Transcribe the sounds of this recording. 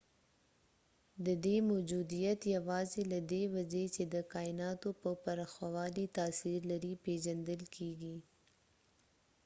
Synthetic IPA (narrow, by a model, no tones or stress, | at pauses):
d̪əd̪emod͡ʒud̪ijat̪jawɑzelad̪ewad͡ʒet͡ʃed̪əkɑɪnɑt̪opəpaɾaxwawɑlit̪ɑːsiɾlaɾipeʒand̪əlkʰeɡi